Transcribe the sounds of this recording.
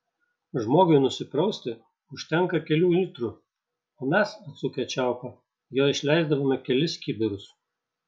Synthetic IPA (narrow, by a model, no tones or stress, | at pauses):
ʒmoːɡʊɪnʊsʲɪpɾɔʊsʲt̪ʲɪ | ʊʃʲt̪ʲɛŋkɐkʲɛlʲuːlʲiːˑt̪ɾu | oːmʲɛsɐt̪sʊkʲɛt͡ʃʲæˑʊkɐ | joːɪʃʲlʲɛɪzd̪ɐʋoːmʲɛkʲɛlʲɪskʲibʲɪɾʊs